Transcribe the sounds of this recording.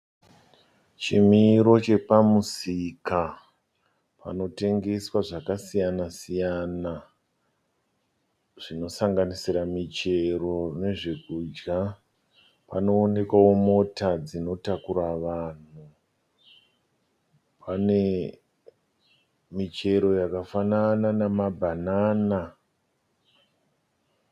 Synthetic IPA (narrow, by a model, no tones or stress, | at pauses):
t͡ʃimiːɾo̞t͡ʃe̞pamusika | pa̰no̞te̞ŋɡe̞swaʐakasijanasijana | ʐ̥ino̞saŋɡanisiɾamit͡ʃe̞ro̞ne̞ʐekuːd͡ʒɡa | pa̰no̞ːne̞kwawo̞mo̞tad͡zino̞takuɾaʋaːn̤u | pane̞ | mit͡ʃe̞ɾo̞jakafanananamabʱanaːna